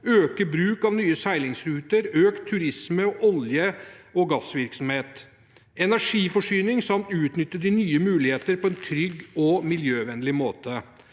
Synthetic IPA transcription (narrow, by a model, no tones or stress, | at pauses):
øːkəbɾʉːkɑʋnyːəsæɪlɪŋsɾʉːt̪əɾøːkt̪ʰːʉɾɪsməɔʔɔljəɔɡɑsʋɪɾksɔm̩heːt̪ | ɛnæʂiːfɔʂyːnɪŋsɑmt̪ʉːt̪nʏt̪ːəd̪ɪnyːəmʉːlɪheːt̪əɾpʰɔɛnt̪ʰɾʏɡːɔmɪljøːʋɛnlɪmoːt̪ə